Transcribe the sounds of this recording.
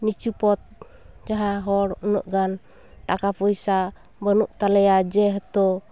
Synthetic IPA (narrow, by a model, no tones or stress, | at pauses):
nit͡ʃupɔt̪̚ | d͡ʒaɦaɦɔɽunɔʔɡan | t̪akapɔjsa | bənuʔt̪alɛjad͡ʒɛɦt̪ɔ